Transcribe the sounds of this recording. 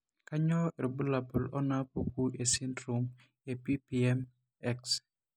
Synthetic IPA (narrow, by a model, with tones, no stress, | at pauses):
ka˦ɲɔ˦e˨ɾbu˦la˨bʊ˨lɔ˦na˦po˨ku˦ʔe˨si˦ndɾo˨m | e˨pi˦pi˨ɛ˦m | ɛ˦ks